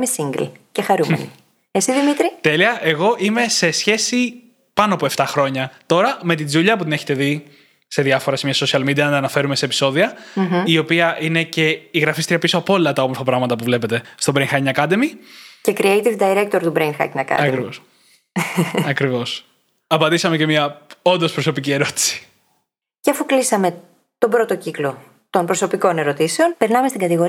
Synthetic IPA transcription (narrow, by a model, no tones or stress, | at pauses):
mesiŋɡlcexɐɾumḛni | esiðimit̪ɾit̪e̞liɐʔe̞ɣo̞ʔime̞se̞sçe̞si | pɐnoɐpoeft̪ɐxɾo̞ɲɐt̪o̞ɾɐme̞t̪id͡zuʎɐp̬ut̪ineçet̪e̞ði | se̞ðjɐfo̞ɾɐsemɲɐso̞siɐlmid̪iɐnɐt̪ɐːnɐfe̞ɾume̞se̞ːpi̥so̞ðiɐio̞piɐʔine̞ce̞iɣɾɐfist̪iɾiɐpisoɐpo̞lilɐt̪ɐo̞mofɐpɾɐɣmɐt̪ɐpuvle̞pe̞t̪e̞st̪o̞bɾenxɐcnɐkɐd̪emice̞kɾiejt̪ivd̪ɐiɾek̚t̪oɾt̪ubɾenxɐ̰cnɐkɐ̰ɐkɾivos | ɐkɾivo̞s | ɐpɐnd̪isɐme̞ce̞mɲɐo̞nd̪o̞spɾoso̞picie̞ɾo̞t̪i̥si̥ | ceɐfuklisɐme̞ | t̪o̞bɾot̪o̞ciklo̞ | t̪o̞npɾoso̞piko̞ne̞ɾo̞t̪ise̞o̞npeɾnɐme̞st̪iɡɐt̪iɣo̞ɾ